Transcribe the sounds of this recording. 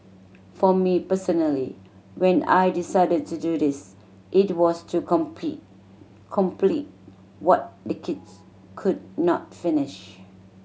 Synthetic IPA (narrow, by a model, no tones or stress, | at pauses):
fɔmipəsɔnəlḭ | wɛ̃na̰jdisaɪdəd̚tududɪs | ʔɪt̚wɔstʰukɔ̃mpḭ | kʰɔ̃mplit̚ | wɔt̚dəkʰids | kʰud̚nɔ̰t̚fɪnɪʃ